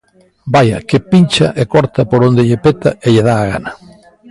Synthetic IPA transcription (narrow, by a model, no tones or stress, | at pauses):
baja̰kepint͡ʃaʔekɔɾt̪apoɾond̪eʎepet̪aeʎeðaːɣ̞a̰na